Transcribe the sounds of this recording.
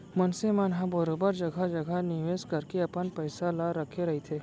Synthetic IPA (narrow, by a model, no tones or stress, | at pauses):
mənsemanɦãbəɾoːbəɾd͡ʒɐɡʱad͡ʒɐɡʱanɪʋeːskɐɾkeɐpənpəɪsalaɾɐkʰeɾɐɦet̪ʰeː